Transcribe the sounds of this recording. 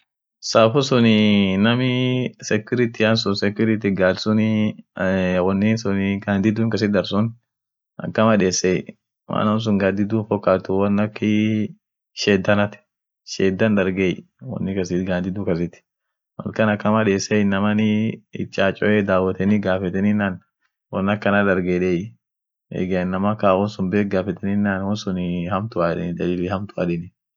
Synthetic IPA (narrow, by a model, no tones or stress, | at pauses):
saːfʊsʊnɪnɐmɪsɛkʊɾɪt̪ɪɐnsʊnsɛkʊɾɪt̪ɪɡaːlsʊnɪ | wɔnːɪsʊnɪɡaːnd̪ɪd̪uːŋkɐs̬ɪd̪ɐɾsʊn | ʔɐ̰kːɐmɐᶑeːsɛj | ma̰ːnɐns̬ʊŋɡaːnd̪ɪd̪uːnfɔkʼːaːt̪ːʊwɐnːɐkːɪ | ʃeːd̪ːɐnɐt̪ɪ̥ | ʃeːd̪ːɐnd̪ɐɾɡej | wɐ̰nːɪkɐsɪt̪ɡaːd̪ɪd̪ukɐs̬ɪt̪ɪ̥ | mɐ̰lkɐnɐkːɐmɐᶑeːsɛjnɐmɐnɪɪ̰t͡ʃʼːaːt͡ʃʼɔʔeːd̪aːwɐt̪ɛnɪɡaːfɛt̪ɛnɪnːan | wɔnːɐkːɐnɐd̪ɐɾɡeᶑej | ḛɡɐnːɐmɐkaːwɔnsʊnbeːk̚ɡaːfɛt̪ɛnɪnːaːnwɔnsʊnhɐmt̪ʊaːᶑɪ̰d̪ɐlɪlɪhɐmt̪ʊa̰ᶑɛnɪ